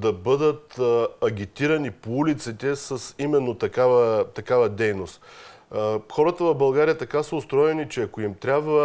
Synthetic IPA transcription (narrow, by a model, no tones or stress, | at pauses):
d̪ɐbɤd̪ət̪ɐɡ̟ʲit̪iɾɐnipoulit̪sɛt̪ɛsɐsimɛnːot̪ɐkavət̪ɐkavəd̪ɛjnost̪ | xɔɾət̪əvɐbɐlˠɡaɾijət̪ɐkasəost̪ɾɔjɛnit͡ʃɛɐkoimt̪ɾʲabvə